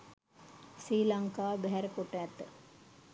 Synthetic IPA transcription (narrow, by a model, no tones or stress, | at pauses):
siːlaŋkaːbɛɦæɾəkoʈːæːt̪